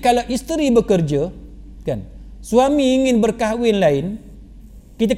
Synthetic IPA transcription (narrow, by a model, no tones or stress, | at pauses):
kalaʔist̪əɾibəkərd͡ʒakansuamiːŋɪnbərkaɦwɪnlaɪn | kit̪̬a